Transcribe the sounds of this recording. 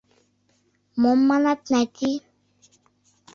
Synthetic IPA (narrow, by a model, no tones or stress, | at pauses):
mɔmːanat̪nat̪i